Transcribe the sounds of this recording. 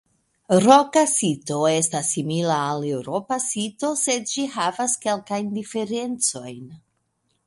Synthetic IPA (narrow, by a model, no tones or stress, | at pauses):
ɾokasito̞e̞stasːimilaːle̞wɾo̞pasito̞se̞dd͡ʒiɦavaske̞lkajndife̞ɾe̞nt͡so̞jn